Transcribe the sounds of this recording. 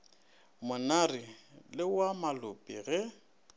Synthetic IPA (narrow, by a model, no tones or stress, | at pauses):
mʊnarɪlɪwamalʊpʼiɣɛ